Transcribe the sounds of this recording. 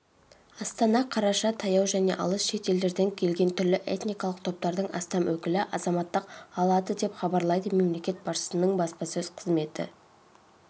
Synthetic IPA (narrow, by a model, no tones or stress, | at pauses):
ɑst̪ɑnɑqʰɑɾɑʃɑt̪ʰɑjɑwʒæne̞ʔɑ̰lˠəsʃe̞t̪e̞ld̪e̞ɾd̪eŋkʲʰe̞lɡʲe̞nt̪ʰʏɾlɪʔe̞̰t̪nijkɑlˠəq̚t̪ʰo̞p̚t̪ɑɾd̪əɴɑ̰st̪ɑmʔwɵkʲɪlɪʔɑzɑmɑt̪ːəqɑlˠɑd̪əd̪e̞pχɑbɑɾlˠɑjd̪əme̞mle̞kʲe̞t̪̚bɑʃʃə̥sənəɴbɑspɑsɵz̥qʰəzme̞t̪ɪ̰